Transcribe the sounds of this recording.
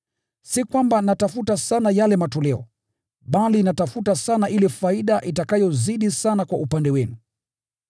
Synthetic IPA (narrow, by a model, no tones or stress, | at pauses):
sikwambanatafutasanajalɛmatɔlɛɔ̰ | ɓalinatafutasanaʔilɛfaiɗaʔitakajɔziɗisanakwaupandɛwɛnu